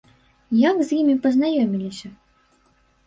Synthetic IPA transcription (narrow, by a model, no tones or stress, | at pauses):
jakzʲjimʲipɐznajɔmʲilʲisʲɐ